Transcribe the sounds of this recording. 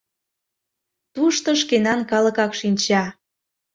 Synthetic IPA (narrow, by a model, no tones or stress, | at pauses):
t̪uʃt̪ŏʃ̬kenɑnkɑlə̆kɑkʃinʲt͡ɕɑ